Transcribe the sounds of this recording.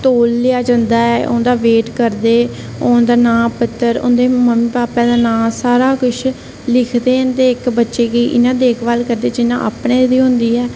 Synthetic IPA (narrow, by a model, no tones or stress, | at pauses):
t̪oːlːɪjaːd͡ʒãnd̪aːɛʔõ̰nd̪aːʋeːʈkəɾd̪eː | oːnd̪aːnãːpət̪ːəɾʊ̰̃nd̪eːməmĩːpaːpɛ̃ːd̪aːnãːsaːɾaːkʊt͡ʃʰ | lɪkʰd̪eːnt̪eːɪkbətːʃeːkiːʔɪ̰nãːd̪eːɪkʰbalkəɾd̪eːd͡ʒɪnã̰ːʔa̰ːpnẽːd̪iːɦʊ̃nd̪iːɛː